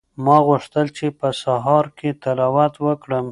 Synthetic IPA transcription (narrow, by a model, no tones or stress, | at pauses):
mɑɣʊʂt̪əlt͡ʃepəsaɦɑɾket̪alɑwat̪wəkɽəm